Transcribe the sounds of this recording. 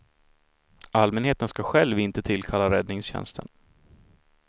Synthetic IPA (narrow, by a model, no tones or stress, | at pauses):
almɛnheːt̪ənskaɧɛlvɪnt̪ət̪ʰɪlːkʰalːaɾɛd̪nɪŋsɕɛ̰nst̪ʰə̰n